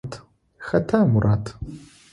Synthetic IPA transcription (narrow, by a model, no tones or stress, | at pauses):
tʰ | xɐtʰaːmurʔatʰ